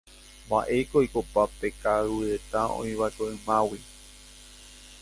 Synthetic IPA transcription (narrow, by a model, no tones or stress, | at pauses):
ba̰ʔe̞kojkopape̞kauɾe̞t̪aõ̰ĩβakoɨ̃mãwi